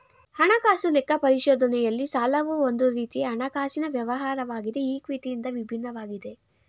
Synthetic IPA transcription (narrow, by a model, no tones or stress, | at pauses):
hɐɳɐkaːsulekːɐpɐɾiʃɔːd̪ʱɐnɛjɐlːisaːlɐʋuond̪uɾiːt̪iɦɐɳɐkaːsinɐʋjɐʋɐɦaːɾɐʋaːɡid̪eiːkʋiːʈijind̪ɐʋibʱinːɐʋaːɡid̪e̞